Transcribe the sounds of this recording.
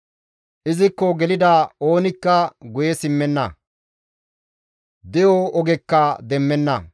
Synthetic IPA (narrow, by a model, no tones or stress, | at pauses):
ʔɪzɪkːɔɡɛlɪd̪aːo̞ːnɪkːɐɡʊjɛsɪmːɛnːɐ | d̪ɛjɔɔɡɛkːɐd̪ɛmːɛnːɐ̰